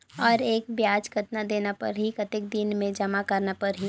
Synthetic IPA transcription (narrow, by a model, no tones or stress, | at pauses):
ɔːɾeːk̚bjaːd͡ʒkɐt̪nad̪eːnapɐ̰ɾɦikɐt̪ɪk̚d̪ɪnmẽd͡ʒɐmakɐɾnapɐɾɦi